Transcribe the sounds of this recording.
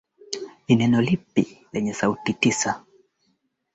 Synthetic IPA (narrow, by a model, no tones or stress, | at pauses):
inɛnɔlipḭlɛɲɛsautitisa